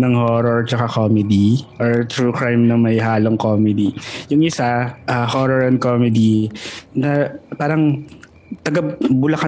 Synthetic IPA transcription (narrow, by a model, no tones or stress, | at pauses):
nɐŋhoːɾɔɹt͡ʃɐkakoːmɛd̪iʔɔɹt̪ɾuːkɹajmnɐŋmɐjɦaːloŋkoːmɛd̪ijʊŋʔɪsaʔɐhoːɾɔɹɐnd̪̚koːmɛd̪inɐpaːɾɐŋ | t̪ɐɡɐbʊlɐka